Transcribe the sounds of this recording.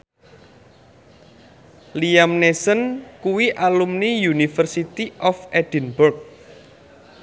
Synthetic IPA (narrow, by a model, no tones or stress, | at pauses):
liamnesənkuwiʔalumnijunifərsit̪iʔɔfed̥ə̤nbʊrk̚